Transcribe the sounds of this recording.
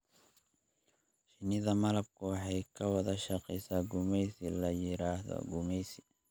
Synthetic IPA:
ʃɪnɪðɐmɐlɐb̚kʰʊwɑħɑjkʰɐwɐðɐʃɐqɛsaːɡʊmɛjsɪlɐjɪɾaːhðɔ̰ɡʊmɛjsɪ̥

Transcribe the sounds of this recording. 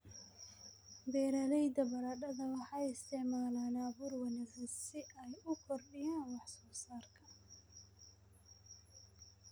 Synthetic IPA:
bɛːɾɐlɛjd̪ɐbɐɾɐɖɐðɐwɑħɑjɪst̪ʰɛʕmaːlaːnaːβuːrwɐnɪsɐsɪʔɛjʊkʰɔrɖɪjaːnwɑħsɔːsaːrkʰɐ

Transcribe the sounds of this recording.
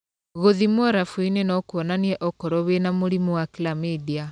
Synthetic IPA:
ɣoðimwɔɾafuinenɔkwɔnaniɛʔɔkɔɾɔβenamoɾimuwakilamedia

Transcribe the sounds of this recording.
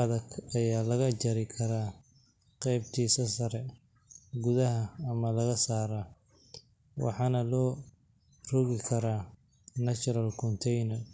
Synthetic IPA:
ɐðɐɡɐjaːlɐɣɐt͡ʃɐɾɪkʰɐɾa | qɛjb̚t̪ʰiːsɐsɐɾɛ | ɡʊðɐɦɐːmɐlɐɣɐsaːɾa | wɑ̰ħɑːnɐlɔː | rʊɣɪkʰɐɾaː | nɐt͡ʃɔɾɐlkʰɔnt̪ʰɛjnɐr

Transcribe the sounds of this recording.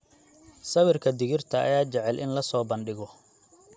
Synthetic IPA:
sɐβɪrkʰɐd̪ɪɣɪrt̪ʰɐ̰ːjaːt͡ʃɛʕɛlʔɪ̰nlɐsɔːbɐnɖɪɣɔ

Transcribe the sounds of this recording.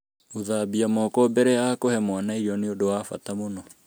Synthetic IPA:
oðabiamɔːkɔbɛɾɛakohɛmwanaiɾiɔneodowafa̰tamonɔ

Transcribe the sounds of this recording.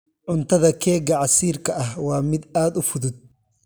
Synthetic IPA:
ʕʊnt̪ɐðɐkeːɡɐʕasiːɾkɐʔɐhwaːmɪd̪aːd̪ʊfʊd̪ʊd̪̚

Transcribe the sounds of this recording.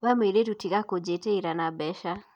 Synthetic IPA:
βamweɾetutiɣakod͡ʒeteiɾanabɛʃa

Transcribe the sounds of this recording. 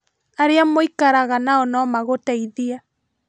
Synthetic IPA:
aɾeamoikaɾaɣanaɔnɔmaɣotaiðia

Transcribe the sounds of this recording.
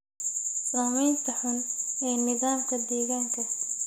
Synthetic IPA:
saːmɛjnt̪ʰɐħʊnɛːnɪðaːmkʰɐd̪iːɣaːŋkʰɐ

